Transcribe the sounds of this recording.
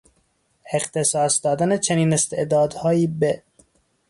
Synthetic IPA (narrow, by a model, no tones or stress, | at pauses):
eqt̪ʰesɒːsd̪ɒːd̪ænet͡ʃʰeniːnest̪eʔd̪ɒːd̪hɒːjiːbe